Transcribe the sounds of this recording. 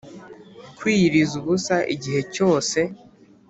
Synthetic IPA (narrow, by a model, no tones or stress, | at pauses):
kwiːɾizuβusaʔḭɟiɦe̞co̞ːse̞